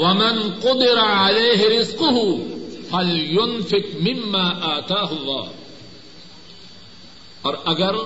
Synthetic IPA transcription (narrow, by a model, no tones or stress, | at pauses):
wɐmɪnqʊd̪ɪɾaʕaleːɦɪɾɪzqʊɦʊfɐljʊnfɪqmɪmːaːʔaːt̪aːɦʊlˤːɑ̰ːh | ɔːɾʔɐɡɐɾ